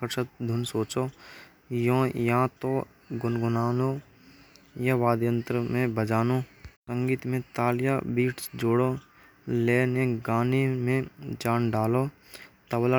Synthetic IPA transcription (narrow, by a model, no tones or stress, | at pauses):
əɾʃət̪̚d̪ʱʊnsoːt͡ʃoː | jõːjãt̪o | ɡʊnɡʊnaːno | jaʋaːd̪jə̃nt̪ɾəmẽbəd͡ʒaːnosə̃ŋɡiːt̪mẽt̪aːljaːbiːʈʰd͡ʒoːɽoː | leːnẽɡaːnimẽd͡ʒaːnɖaːloː | t̪ɐwlə